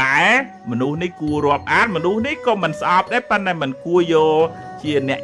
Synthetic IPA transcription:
aɛ | mɔnuhnihkuəɾŏəp̚ʔaːt̪̚mɔnuhnihkɑːmɨnsʔɑp̚ɗ̪aːɛpɨnt̪aɛmɨnkuəjɔːl | t͡ɕiənɛ̆əʔ

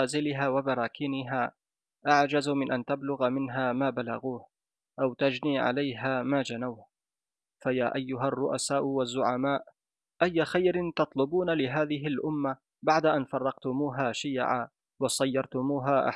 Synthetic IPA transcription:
aːzɪlɪɦaːwabɑɾˤɑːkɪːnɪɦaː | ʔaʕd͡ʒazmɪnʔant̪ablʊɣmɪnɦaːmaːbala̰ɣuːh | ʔawt̪ad͡ʒniːʕa̰lajɦaːmaːd͡ʒanawh | fajaːʔajːʊɦarˤːʊʔasaːʔʊwazːʊʕamaːʔ | ʔajːaxajɾɪnt̪ɑt̪ˤlʊbuːnalɪɦaːðɪɦɪlʔʊmːa | baʕd̪aʔanfɑrˤːɑqt̪ʊmuːɦaːʃiːʕa̰ː | wɑsˤɑjːɑɾˤt̪ʊmuːɦaːʔa̰

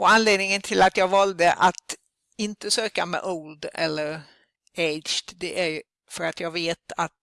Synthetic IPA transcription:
ɔanleːd̪nɪŋənt̪ʰɪlat̪jɑːɡvɑld̪əʔat̪ | ɪnt̪əsøːkamɛ̰ʔoːld̪ɛ̰lːəɾ | eɪt͡ʃd̪ɛʔæɾ | fœɾat̪jɑːɡveːt̪at̪

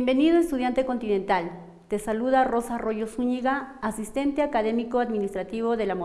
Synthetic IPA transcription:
mbe̞niðoest̪uð̞jant̪eko̞nt̪inẽ̞nt̪al | t̪e̞saluðaro̞saro̞ʝo̞suɲiɣaːsist̪e̞nt̪eakaðe̞mikoad̪minist̪ɾat̪iβ̞o̞ðe̞lamo

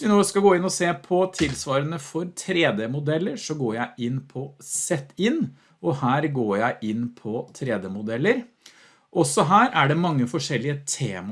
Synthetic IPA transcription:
ɪnoːskɑɡoːɪnːɔseːpʰɔt̪ʰɪlsʋɑːɾənəfɔɾt̪ʰɾeːd̪ɛmʊd̪ɛlːəɾʂɔɡoːɾjæɪʔɪnːpʰɔsɛt̪ːɪnː | ɔhæːɾɡoːjæɪʔɪnːpʰɔt̪ʰɾeːd̪əmʊd̪ɛlːəɾ | ʔɔsɔɦæːɾæɖɛmɑŋːəfɔʂɛlːɪət̪ʰeːmɑ

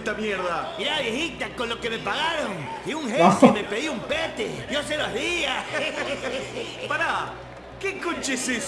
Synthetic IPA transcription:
t̪amjeɾðamiɾaβjexit̪ako̞nlokeme̞paɣaɾoŋ | iuŋxeme̞peðiumpet̪ḛjos̬eloɦðia | paɾa | keŋkont͡ʃeses

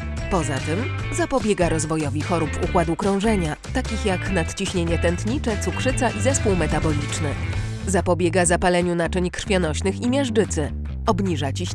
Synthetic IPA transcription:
pɔza̰t̪ɘm | zapɔbʲjɛɡaɾɔzvɔjɔvʲixɔɾupukwad̪ukɾɔ̃w̃ʐɛɲa | t̪akʲixjaknat̪t͡ɕiɕɲeɲɛt̪ɛnt̪ɲit͡ʂɛt̪sukʂɘt̪saʔizɛspuwmɛt̪abɔlʲit͡ʂnɘ | zapɔbʲjɛɡazapalɛɲunat͡ʂɛɲkr̥fʲjɔnɔɕnɘximʲjɛʐd͡ʐɘt̪sɘ | ɔbɲiʐat͡ɕiɕ

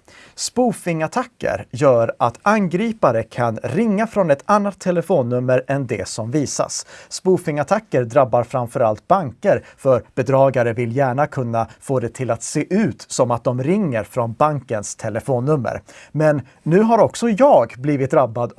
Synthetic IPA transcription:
spuːfɪŋat̪ʰakːə̰ɾjœːɾat̪anɡɾiːpaɾəkʰanɾɪŋːafɾɔnɛt̪ʰanːat̪ʰːɛlɛfoːnːɵmːəɾʔɛnd̪ɛ̰sɔmviːsa̰sːpuːfɪŋat̪ʰakːəɾd̪ɾabːaɾfɾamfœɾalt̪̚baŋkəɾfœɾb̥ɛd̪ɾɑːɡaɾəvɪljæːɳakʰɵnːafoːd̪ɛt̪ʰɪlat̪seːʔʉ̟ːt̪sɔmat̪̚d̪ɔmɾɪŋːəɾfɾɔnbaŋkənst̪ʰɛləfoːnːɵmːə̰ɾmɛnː | ʉ̟ːɦaɾɔksɔjɑːɡbliːvɪt̪̚d̪ɾabːad̪

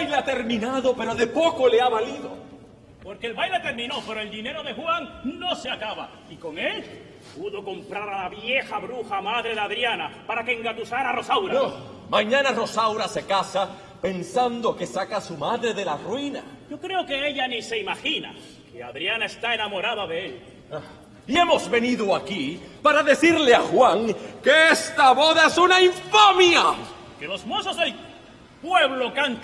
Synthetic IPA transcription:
jleat̪e̞ɾmĩnaðo̞pe̞ɾo̞ðe̞po̞ko̞leaβaliðo̞ | po̞ɾke̞ːlβajlet̪e̞ɾmĩno̞pe̞ɾo̞eld̪ine̞ɾo̞ðe̞xwaŋno̞seakaβa̰ | iko̞ŋe̞l | puðo̞ko̞mpɾaɾalaβje̞xaβɾuxamaðɾe̞ðeaðɾjanapaɾakeŋɡat̪usaɾaro̞sawɾao | mãɲãnaro̞sawɾase̞kasa | pe̞nsand̪o̞ke̞sakasumaðɾe̞ðe̞larwina̰ɟ͡ʝo̞kɾe̞oke̞eʎanise̞imaxina̰ | kea̰ðɾjanaest̪aenamo̞ɾaðaðe̞el | ie̞mo̞zβe̞niðoakipaɾaðe̞θiɾleaxwaŋke̞est̪aβo̞ðaesunaiɱfamja | kelo̞zmososel | pwe̞βlo̞kaŋ

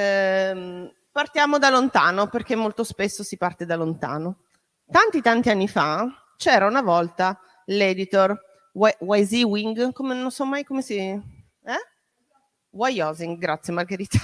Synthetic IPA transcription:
part̪jaːmod̪alont̪aːnoperkemːolt̪ospesːosipart̪ed̪alont̪a̰ːno | t̪ant̪it̪ant̪ianːifa | t͡ʃɛːɾaunavɔlt̪a | lɛd̪it̪or | wwajziwiŋɡkomenonsɔmːajkomesi | ɛ | wajɔziŋɡɡɾat̪sjemarɡeɾiːt̪ḁ

